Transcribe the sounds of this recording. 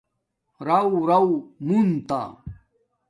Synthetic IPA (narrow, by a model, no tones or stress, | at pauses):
ɾawɾawmunt̪a̰